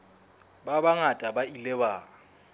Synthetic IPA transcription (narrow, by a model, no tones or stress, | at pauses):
babaŋatʼabailɛbaː